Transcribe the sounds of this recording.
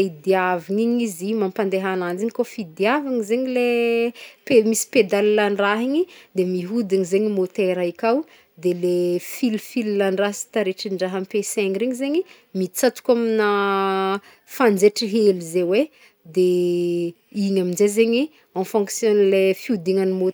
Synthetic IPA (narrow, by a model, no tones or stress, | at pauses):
id̪aviŋiɲizimampand̪eɦanand͡ziŋikofid̪iavaŋizeɲile | pemisi̥ped̪alilaɳɖ͡ʐaɦiɲid̪emiɦud̪iŋizeɲimot̪eɾaikaw | d̪elefilfililaɳɖ͡ʐasi̥t̪aɾeʈ͡ʂiɳɖ͡ʐaɦampesɛ̃ŋɾeɲizeɲi | mit͡sat̪u̥kʲamina | fand͡zeʈ͡ʂiɦelizewe | d̪e | iɲaminzezeɲi | ãnfɔ̃ŋksjɔnlefiud̪iŋanimo